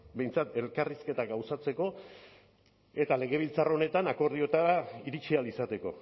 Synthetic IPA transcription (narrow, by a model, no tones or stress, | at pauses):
be̞jnt͡sat̪e̞lkariske̞t̪aɡawsat͡se̞ko̞ | e̞t̪ale̞ɣ̞e̞β̞ilt͡saro̞ne̞t̪anako̞ɾð̞io̞t̪aɾaiɾit͡ʃialisat̪e̞ko̞̰